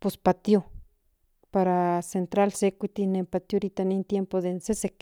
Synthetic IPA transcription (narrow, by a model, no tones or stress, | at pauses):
pospat̪jo | paɾasent̪ɾalsekʷit̪inempat̪joɾit̪anint̪jempoðensesek